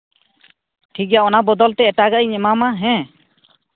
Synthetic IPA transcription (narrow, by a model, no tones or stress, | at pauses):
ʈʰik̬jaɔnabɔd̪ɔlt̪ɛɛʈaɡaʔiɲɛmamaɦɛ̃